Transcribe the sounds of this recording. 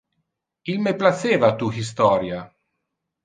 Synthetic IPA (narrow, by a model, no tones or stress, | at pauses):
ilmeplaseːvat̪uxis̬t̪ɔːɾja